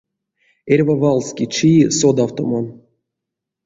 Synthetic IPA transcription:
erʲvavɑlˠskʲit͡ʃisod̪awt̪o̰man

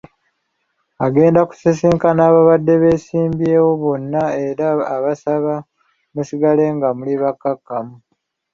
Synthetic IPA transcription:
aɡe̞ːndaku̥sisiːŋkanaːβaβadːe̞βe̞ːsiːmbje̞ːwo̞βo̞nːae̞ɾaːβasaβa | musiɡale̞ŋɡamuliβakːakːamu

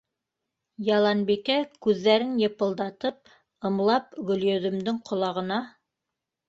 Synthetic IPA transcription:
jɑlˠɑnbikækʉðːæɾɘnjɤ̆pɤ̆lˠd̪ɑt̪ɤp̚ | ɤ̆mlˠɑpɡɵ̆ljɵ̆ðɵ̆md̪ɘŋqʰŏlˠɑʁɤ̆nɑ

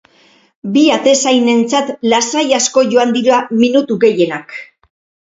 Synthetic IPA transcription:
biat̪e̞sajne̞nt͡sat̪lasajasko̞ʝo̞and̪iɾoaminut̪uɡe̞je̞nak

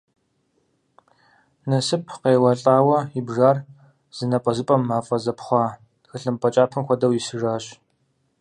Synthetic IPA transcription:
nɐsɨpʰqeːwɐɬʼaːwɐibʒaːr | z̥ɨnɐpʼɐzɨpʼɐmːaːfʼɐzɐpχʷɑː | xɨɬɨmpʼɐt͡ʃʼaːpʰɨmxʷɔdɐwisɨʒaːɕ

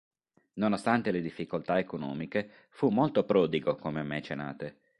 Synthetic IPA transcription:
nonost̪ant̪eled̪ifːikolt̪aekonɔ̰ːmike | fumːolt̪opɾɔːd̪iɡokomeamːet͡ʃena̰ːt̪e

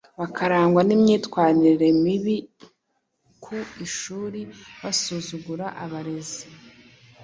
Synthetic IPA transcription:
βakʰaɾaːŋɡwanimɲiːtkwaːniɾe̞miβi | kʰuiʃuːɾiβasuzuɡuɾaʔaβaɾe̞zi̥

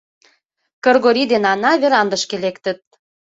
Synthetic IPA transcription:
kɤ̆rɣoɾid̪enɑnɑβeɾɑnd̪ə̆ʃkelekt̪ə̆t̪̚

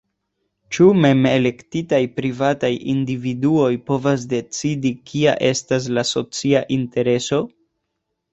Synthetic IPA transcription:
t͡ʃume̞me̞le̞ktitajpɾivatajḭndividuo̞jpo̞vas̬de̞t͡sidikʰia̰ʔe̞stas̬laso̞t͡siaʔinte̞ɾe̞so̞

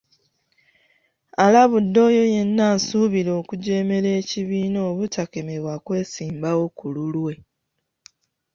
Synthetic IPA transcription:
alaβudːo̞ːjo̞je̞nːaːnsuːβilo̞ːkuɟe̞ːme̞le̞ːciβiːno̞ːβutake̞me̞βwakwe̞ːsiːmbawo̞kululwe̞

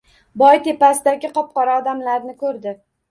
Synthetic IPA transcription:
bɒjt̪ʰe̞pasɪd̪aɡʲɪqʰɒp̚qɒɾaɒd̪amlaɾnɪkʰɵɾd̪ɪ

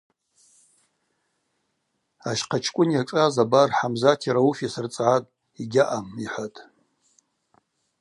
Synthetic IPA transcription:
aʃqʰat͡ʃʰkʷʼʊnjaʈ͡ʂʼazabarħamzatʰiɾaufisɨrt͡sʼʕatʼ | iɡʲaʔamiħʷatʼ

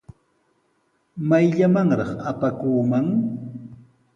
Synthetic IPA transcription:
majʎamaŋɾɑχapakuːmaŋ

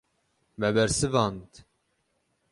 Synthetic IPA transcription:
mɛbɛɾsɨvɑnt̪

